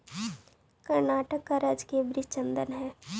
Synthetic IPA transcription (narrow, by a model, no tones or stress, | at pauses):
kɐɾnaːʈəkːaɾəd͡ʒkeːbɾit͡ʃə̃nd̪ənɦɛː